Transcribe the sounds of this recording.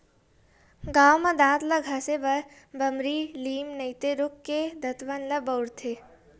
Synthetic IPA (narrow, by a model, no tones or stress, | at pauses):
ɡaːwmɐd̪aːt̪lɐɡʱɐsebɐɾ | bɐmɾiːliːmnɐjt̪eɾʊkːed̪ʱɐt̪ʋənlɐbəwɾt̪ʰe